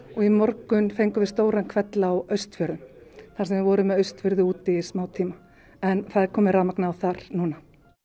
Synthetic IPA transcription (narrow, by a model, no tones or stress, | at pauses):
ɔɣimɔɾkʏnfejŋkʏvɪst̪oːwɾankʰvɛt̪lawœɥst̪fʏɾðʏmθaɾ̥sɛmvɪðvɔːɾʏmɛðœɥst̪fʏɾðʏuːt̪ɪsmaːwt̪ʰiːma | ɛnθaðɪɾkʰɔːmɪɾaːmaknawθaɾ̥nuːna